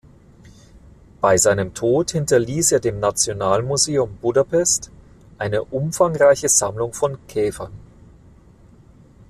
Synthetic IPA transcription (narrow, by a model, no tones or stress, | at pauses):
b̥aɪzaɪnəmtʰoːthɪntɐliːseːɐdeːmnat͡sjonaːlmuzeːʊmbudapʰɛst | ʔaɪnəʔʊmfaŋʁaɪçəzamlʊŋfɔnkʰɛːfɐn